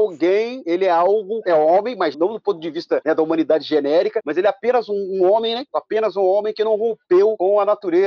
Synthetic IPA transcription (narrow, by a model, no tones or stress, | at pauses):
wɡẽj̃elɪɛawɡʊɛõmẽj̃mɐznɐ̃w̃d̪ʊpõnt̪ʊd͡ʒɪvist̪ɐnɛd̪ɐumɐ̃nid̪ad͡ʒɪʒenɛɾikɐmɐzelɛapẽnɐzũũõmẽj̃nɛapẽnɐzũõmẽj̃kɪnɐ̃w̃ɦõpewkõɐnat̪uɾe